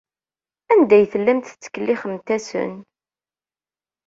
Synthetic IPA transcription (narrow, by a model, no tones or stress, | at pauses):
ænd̪æjθəlːæmt̪t͡sːə̥kəlːiχəmt̪æsə̰n